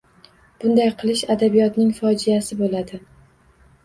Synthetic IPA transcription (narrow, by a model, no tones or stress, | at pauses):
b̥ʊnd̪ajqʰɨlˠɪʃad̪abijɒt̪nɪŋfɒd͡ʒijasɪbolad̪ɪ